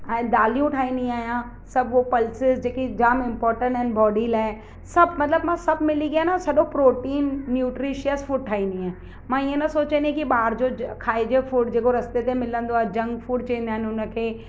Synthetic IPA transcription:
ɛ̃ːd̪aːlijũʈʰaːĩːnd̪iaːɦijã | sɐbʱopɐlsɪzd͡ʑeːkid͡ʑaːmɪ̃mpɔːɾʈə̃ɳʈːɦɪ̃nbɔːɖiːlaːɪ | sɐbʱmɐt̪ləbmãsɐbʱmɪliɡijaːenasɐɗopɾoːʈiːnːjuːʈɾiʃijəsfuːɖ̚ʈʰaːɦĩnd̪iaːɪ | mãiːə̃nɐsoːt͡ɕẽnd̪iẽkiɓaːɾd͡ʑokʰaːɪd͡ʑefuːɖd͡ʑeːkoɾɐst̪et̪emɪlə̃nd̪oaːɦed͡ʑɐ̃ŋɡfuːɖ̚t͡ɕɐẽnd̪aːɪnɪɦʊnə̆kʰeː

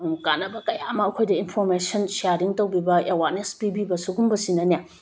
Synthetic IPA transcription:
kanɐbɐkɐjaɐmɐɐkʰojdɐinpʰoɾmesɐnsiaɾɾiŋtɐwbibɐewaɾnespibibɐsuɡumbɐsinɐne

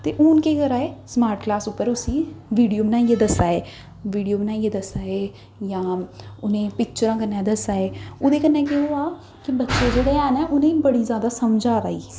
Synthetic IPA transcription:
t̪eːʔonkeːɡəɾaːeːsmaːɾʈklaːsʊpːəɾʊsĩːʋiːɖijoːmnãːieːd̪əsaːeː | ʋiːɖijoːbnãːieːd̪əsaːeː | jãːʊnẽːpɪk̚t͡ʃəɾãːkənːɛ̃ːd̪əsaːeːʊd̪eːkənːeːkeoːaː | kɪbətːʃeːd͡ʒeːɽaɛːnɛːʔʊnẽːbəɽiːzjaːd̪aːsəmd͡ʒaːɾa̰ːḭː

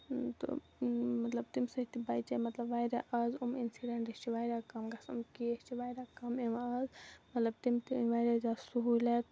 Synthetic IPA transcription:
t̪ɨ̰ | mɐt̪lɐb̚t̪imsɐit̪ibajt͡ʃɐmɐt̪lɐbʋajɾaʔɐzuminsiɖeɳʈet͡ʃiʋaːjɾakɐmɡɐsɐ̰mkiest͡ʃiʋajɾakɐmemɐzmɐt̪lɐbt̪imt̪iʋaːjɾɐd͡ʒasuɦulɐt̪

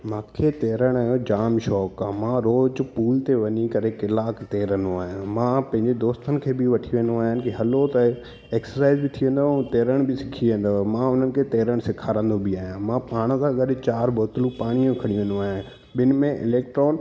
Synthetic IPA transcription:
mãːkʰet̪eːɾəɽ̃aːɦjod͡ʑaːmʃɔːkːãːmãːɾoːd͡ʑpuːlt̪eʋɐɲikɐɾekɪlaːkt̪eːɾə̃nd̪oaːɦɪjãmãːpɐ̃ɦɪ̃ɲd͡ʑed̪oːst̪ənɪ̆kʰeːbɪʋɐʈʰiʋẽːn̆d̪oaːɦɪnɪ̆kiɦɐlot̪ɐ | eːksəɾsaːɪzbɪt̪ʰiʋẽːnd̪oũt̪eːɾəɽ̃bɪsɪkʰiʋẽːn̆d̪omãʊn̤ənɪ̆kʰeːt̪eːɾəɽ̃sɪkʰaːɾə̃ːn̆d̪obiaːɦjãmãpaːɽ̃əsãɠɐɗɪt͡ɕaːɾbʱoːt̪lũpaːɽ̃ijũkʰɐɽiũʋẽːnd̪oaːɦã | ɓɪnɪ̆mẽʔɪ̰leːkʈɾoːn

